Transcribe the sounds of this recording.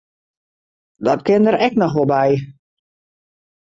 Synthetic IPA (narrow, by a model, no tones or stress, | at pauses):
dɔtkɪndəɾɛk̚nɔxʋɔlˠbɛj